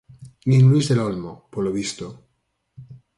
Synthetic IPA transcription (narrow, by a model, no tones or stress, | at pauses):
nĩŋlwizðelolmopoɾloβist̪o